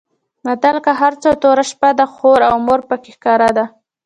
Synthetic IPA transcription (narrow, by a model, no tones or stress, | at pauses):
mat̪alkaɦaɾt͡sot̪oɾaʃpad̪əxoɾawmoɾpəkexkɑɾad̪a